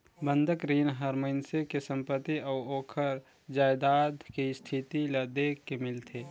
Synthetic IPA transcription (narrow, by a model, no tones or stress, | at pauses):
bə̃nd̪ʱəkɾiːnɦəɾməɪnsekesə̃mpət̪ːiɔːoːkʰəɾ | d͡ʒaːjd̪aːd̪kist̪ʰit̪iləd̪eːkːemɪlt̪ʰeː